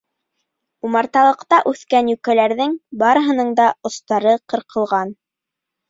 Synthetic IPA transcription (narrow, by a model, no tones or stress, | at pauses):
umɑɾt̪ɑlˠɤ̆qt̪ɑʔʉθkænjʉkælæɾðɘŋbɑɾɤ̆ɦɤ̆nɤɴd̪ɑŏst̪ɑɾɤqɤ̆ɾqʰɤ̆lˠʁɑn